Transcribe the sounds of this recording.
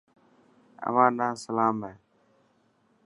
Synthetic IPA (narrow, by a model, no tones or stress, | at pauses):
ə̰ʋãːnãːsəlaːmeː